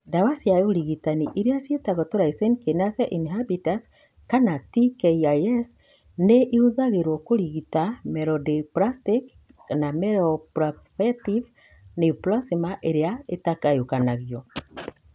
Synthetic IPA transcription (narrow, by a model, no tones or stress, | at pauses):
dawasjajoɾiɣitaniʔiɾeasetaɣɔtoɾaisenkenasɛʔinɦabitas | kanatikeiaɛs | neʔiuðaɣeɾwɔkoɾiɣitamɛɾɔdipɾastik | namɛɾɔpɾɔfɛtiv | neuplɔsimaʔeɾeaetakaeokanaɣjɔ